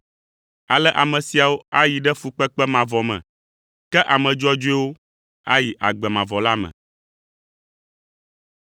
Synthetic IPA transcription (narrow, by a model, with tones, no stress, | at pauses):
a˨lɛ˦ʔa˨mɛ̃˨si˨a˨wo˦a˦ji˨ɖɛ˦fu˨k͡pɛ˦k͡pɛ˦mã˨vɔ˨mɛ̰̃˨ | kɛ˦ʔa˨mɛ̃˨d͡ʒɔ˦d͡ʒo˦ɛ˦wo˦ | a˦ji˨ʔa˨ɡ͡bɛ˨mã˨vɔ˨la˦mɛ̰̃˨